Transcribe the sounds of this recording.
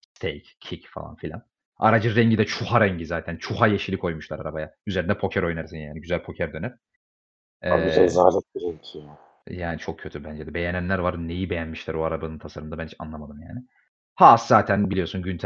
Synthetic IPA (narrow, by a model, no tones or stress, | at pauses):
st̪ʰejcːʰicfa̰lˠa̰nfilʲa̰n | a̰ɾad͡ʒɯɾɛɲɟid̪ɛt͡ʃʰuhaɾɛɲɟizaːt̪ʰænt͡ʃʰuhajeʃilʲikʰo̞jmuʃlˠaɾaɾabajayze̞ɾind̪ɛpʰo̞cʰæɾo̞jnæɾsinjaːniɟyzælʲpʰo̞cʰæɾd̪ø̞nyɾ̥ | ɛbiɛzaːlɛt̪̚biɾɛɲcʰija | jaːnit͡ʃʰo̞k̚cʰø̞t̪ʰybænd͡ʒɛd̪ɛbe̞jenænlʲæɾvaɾne̞jibe̞jænmiʃlʲæɾoaɾabanɯnt̪ʰasaɾɯmd̪abænt͡ʃʰa̰nlˠamad̪ɯmja̰ːnɪ | haːszaːt̪ʰænbilʲijo̞sunɟynt̪ʰ